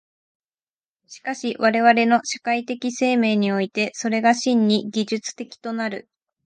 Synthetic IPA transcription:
ɕi̥kaɕiβaɾe̞βaɾe̞no̞ɕakait̪e̞kʲise̞ːme̞ːɲ̟io̞it̪e̞so̞ɾe̞ɡaɕĩɲːiɡʲiʑɨt͡sɨ̥t̪e̞kʲi̥t̪o̞naɾɯ̟

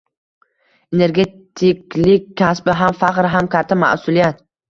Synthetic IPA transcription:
ene̞ɾɡʲe̞t̪ʰɪkʲlɪkʲʰːasbɪɦamfaqɾɦamkʲʰat̪ʰːama̰ʔsʊlijat̪

